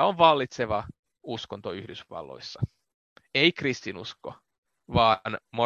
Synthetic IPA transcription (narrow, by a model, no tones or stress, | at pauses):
oʋʋɑlːit̪seʋɑ | uskont̪oyhdysʋɑ̰lːo̰isːɑ | eikrist̪inṵsko̰ | ʋɑːnmo